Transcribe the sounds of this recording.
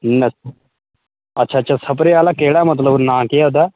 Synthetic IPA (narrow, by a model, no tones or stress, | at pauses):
nɐs | ɐtːɕʰaːtːt͡ʃʰasɐp̬ɾealakeːɽamɐt̪̬ləbnãːkiad̪a